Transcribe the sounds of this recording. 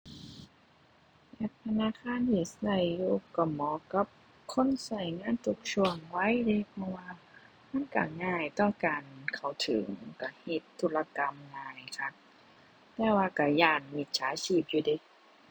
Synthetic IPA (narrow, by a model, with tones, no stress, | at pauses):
la˧˩t̪ʰa˧naː˧˥˨kʰaː˧˥˨nt̪ʰiː˧˩sa˧˩jːuː˧ka˧˩mɔː˨˦ka˧˦p̚ | kʰo˧˥˨nsa˧˩jŋaː˧˥˨nt̪ʰu˧˩k̚t͡ɕʰu˧˩əŋwa˧˥˨jda˧˨jpʰɔ˧waː˧ | ma˧˥˨nka̰˧˩ŋaː˧˩jt̪ɔ˧˩ŋkaː˨nkʰa˨˩wt̪ʰɯ̰˨˩˦ŋka˧˩he˧˦t̪ʰːu˧˩la˧ka˧˨mŋaː˧˩jkʰa˧˩ | t̪ɛː˧˩waː˧ka˧˩jaː˧˩nmi˧˩t̪̚sʰaː˨˦t͡ɕʰiː˧˩p̚juː˧di˧˩˨